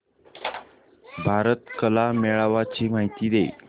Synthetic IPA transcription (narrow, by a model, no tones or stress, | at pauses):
bʱaɾət̪kəlameɭaʋat͡ɕiːm̤aɦit̪iːd̪ḛ